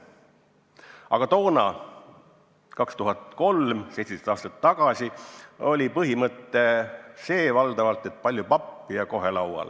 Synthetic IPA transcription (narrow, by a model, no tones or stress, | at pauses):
ʔɑ̰ɡ̥ɑt̪o̞ːnɑ | kɑkst̪uɦɑt̪ko̞lmsejt̪se̥set̪ɑːst̪ɑt̪ːɑɡ̥ɑsio̞lʲipɤɦimɤt̪ːˑe̞se̞ːvɑld̪ɑvɑlt̪ːˑe̞t̪̚pɑlʲjupɑpːijɑko̞ɦe̞lɑwɑ̰l